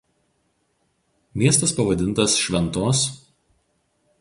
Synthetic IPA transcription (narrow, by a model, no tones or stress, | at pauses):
mʲiɛst̪ɐspɐʋɐd̪ʲɪnˑt̪ɐsʃʲʋʲɛnˑt̪oːs